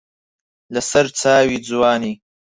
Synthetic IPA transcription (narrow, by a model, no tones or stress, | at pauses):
lasaɾt͡sɑːwid͡zwɑːni